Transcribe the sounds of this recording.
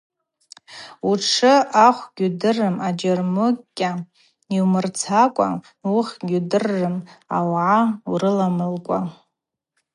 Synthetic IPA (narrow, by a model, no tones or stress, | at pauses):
uʈ͡ʂʰɨaχʷɡʲudɨrɨmad͡ʒarmɨkʲʼːa | iwmɨrt͡sʰakʷʼa̰ | uχʲɡʲudɨrːɨma̰wʕaurɨlamɨlkʷʼa